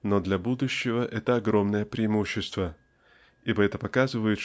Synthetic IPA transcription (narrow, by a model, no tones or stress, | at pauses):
nod̪lʲɐbud̪ʊɕːɪvəʔɛt̪əɐɡɾo̞mnəjəpɾʲɪːmuɕːɪst̪və | ibəɛt̪əpɐkazɨvəjɪt̪